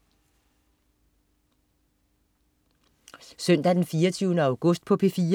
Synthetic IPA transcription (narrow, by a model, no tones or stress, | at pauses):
sœn̰d̥æd̥enfiːɐt͡sʰyːʊnəɑ̈ʊɡ̥ɔsd̥̚pʰɒ̽pʰefiː